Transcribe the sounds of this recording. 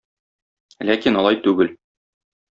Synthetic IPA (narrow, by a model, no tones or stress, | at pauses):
lækinɒlˠɑjt̪ʉɡɘl